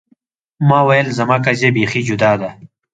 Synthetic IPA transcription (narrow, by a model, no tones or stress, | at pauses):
maːwɐjlzɐmaːkɐzebeːxid͡ʑud̪aːd̪a